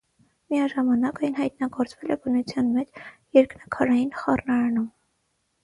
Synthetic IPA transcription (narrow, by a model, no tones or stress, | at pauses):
miɑʒɑmɑnɑkɑjnɦɑjt̪̚nɑɡɔɾt͡svɛlɛbənut͡sʰjɑnmɛt͡ʃjɛɾknɑkʰɑɾɑjinχɑrnɑɾɑnum